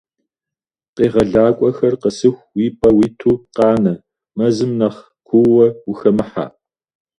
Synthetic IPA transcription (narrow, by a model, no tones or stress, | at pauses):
qeːʁɐɮaːkʷʼɔxɐrqəsɨxʷwiːpʰʼɐwiːtʰuːqɑːnɐ | mɐzɨmnɐχ | kʷʰʊwɐwʊxɐmɨħa̰ː